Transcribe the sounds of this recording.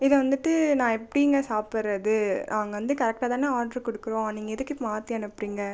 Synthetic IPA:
ɪðɐʋɐnd̪ɯʈːɯnãːɛpːɐɽɪjŋɡɐsaːpɪɾːɐðɯnʔaːŋɡɐʋɐnd̪ɯkɐɾɛk̚ʈaːt̪aːneaːɾɖɐɾkɔɽɯkːɯɾõːniːŋɡɐɪðɯkːɯmaːt̪ːɪjaːnɯɐpːɽiːŋɡɐ

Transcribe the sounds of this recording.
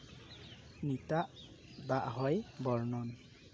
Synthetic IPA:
nitaʔ | baʔɦɔjbɔɹnɔn

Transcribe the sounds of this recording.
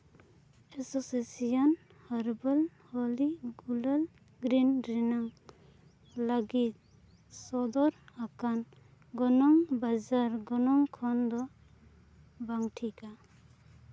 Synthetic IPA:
ɛsɔsesijan | haɾbal | hɔliɡulal | ɡɾindɾinaŋ | laɡit̪̚ | sɔd̪ɔɾakan | ɡɔnɔŋbad͡ʒaɾɡɔnɔŋkʰɔnd̪ɔ | baŋʈʰika

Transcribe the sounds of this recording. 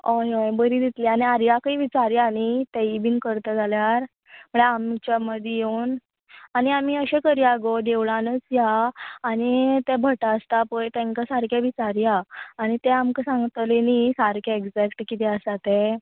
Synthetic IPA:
ɔjojbəɾiːd̪it̪lianiaɾjakaiːʋit͡saɾjaːñit̪ɛibinkəɾt̪əd͡zaljaɾ | m̤əɳeamit͡ɕaməd̪ʱjjeun | añiamiːəɕɛkəɾiaɡod̪eʋɭãnət͡sjaːɽit̪ɛ̃bʱəʈaəst̪apəjt̪ɛ̃ŋkasaɾkjaʋit͡saɾjaːɽ̃it̪ɛamkəsãŋɡt̪lenisaɾkʰjaeɡd͡zɛkʈkit̪ɛəsat̪ɛ

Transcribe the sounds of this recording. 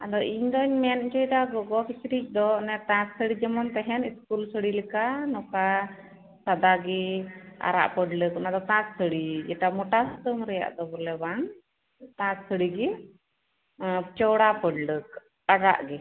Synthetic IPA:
ad̪ɔʔiɲd̪ɔɲmɛniɲt͡ʃɔjd̪aɡɔɡɔpʰit͡ʃɾic̚ˀd̪ɔnɛt̪ãksəɽid͡ʒɛmɔnt̪ɛɦɛniskulsəɽilikanɔka | sad̪aɡɛa̰ɾa̰ʔpəɖləknad̪ɔt̪ãssəɽid͡ʒɛʈamɔʈast̪əmɾɛja̰ʔd̪ɔbɔlɛbaŋ | t̪ãksəɽiɡi | t͡ʃɔwɽapəɖlək̚ | aɾa̰ʔɡɛ

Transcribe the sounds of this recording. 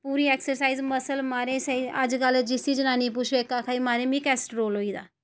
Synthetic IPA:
puːɾiːeːksəɾsaːizməsəlmaːɾẽseiəd͡ʒkəld͡ʒɪsid͡ʒənaːnĩp̬ut͡ʃʰekːakʰaːimaːɾẽmĩkɛːsʈɾoːloːiːd̪a̰ː

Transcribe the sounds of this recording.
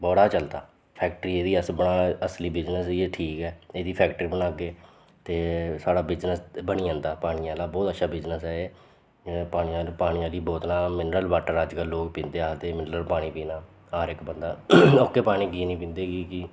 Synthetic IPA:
bɔːɽaːt͡ʃəlt̪a̰ː | pʰɛːk̚ʈəɾiːeːd̪iːəsbəɳaːəsliːbɪd͡ʒnəsieʈʰiːkɛːeːd̪iːpʰɛːkʈɾiːbənaːɡeː | t̪eːsaːɽaːbɪd͡ʒnəsbəɳ̃iːãːnd̪aːpaːɽ̃iãːlaːbɔːt̪ətːʃʰaːbɪd͡ʒnəsɛːeː | paːɽ̃iːãːpaːɽ̃iãːliːbɔːt̪nãːmɪnəɾəlbaːʈəɾəd͡ʒkəlːoːkpĩːnd̪eːaːt̪eːmɪnɾəlpaːɽ̃iːpiːnaː | aːɾɪkbənd̪aːokːeːpaːɽ̃ĩːɡiːnĩːpĩːnd̪eːɡiːkɪ

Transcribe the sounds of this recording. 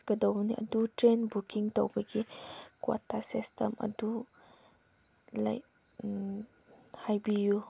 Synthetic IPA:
kədɔwniʔɐ̰d̪utɾenbukiŋt̪ɔ̰wbəɡikwɔ̰tasistəmɐ̰d̪u | la̰jk̚ | hajbiju

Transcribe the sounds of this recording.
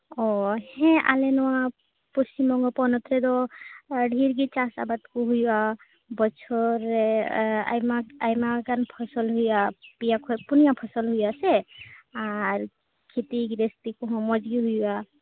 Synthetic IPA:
ɔhẽʔa̰lenɔwa | pɔst͡ʃimɔŋɡɔpɔnɔt̪ʰɾed̪ɔ | ɖʱiɾɡit͡ʃasa̰bat̪kuɦujwa | bɔt͡ʃʰɔɾ | a̰jmaajmaɡanpʰɔsɔlɦujapijakʰɔpunijapʰɔsɔlɦujaseaɾ | kʰit̪iɡɾest̪ikuɦɔ̃mɔd͡ʒɡiɦujwa

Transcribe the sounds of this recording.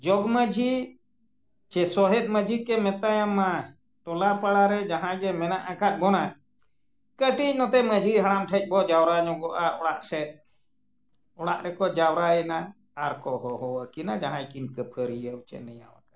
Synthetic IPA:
d͡ʒɔɡməd͡ʒi | t͡ʃɛsɔɦɛt̪̚ˀməd͡ʒʱikɛmɛt̪ajama | ʈɔlaɾpaɽaɾɛd͡ʒaɦãjɡɛmɛnaʔakat̪̚ˀbɔna | kəʈic̚ˀnɔt̪ɛməd͡ʒʱiɦaɽamʈʰəc̚ˀbɔd͡ʒawɾaɲɔɡɔʔaɔɽaʔsɛt̪̚ | ɔɽaʔɾɛkɔd͡ʒawɾaɛnaː | ɾkɔɦɔɦɔwəkinad͡ʒaɦãjkinkəpʰəɾijəwt͡ʃɛ̰nəja̰wa̰kḁ

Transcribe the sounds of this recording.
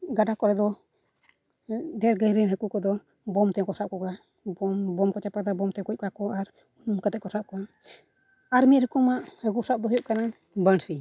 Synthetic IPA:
ɡaɖakɔɾɛd̪ɔ | dɛɾɡəjɾinɦəkukɔd̪ɔ | bɔmt̪ɛkɔsap̚kɔka | bɔmbɔmkɔt͡ʃapad̪abɔmt̪ɛkuc̚kakɔʔaɾ | kat̪ɛʔ̚kɔsap̚kɔa | aɾmiɾhəkumaʔhəkusap̚d̪ɔɦɔjɔʔkanan | bənsi

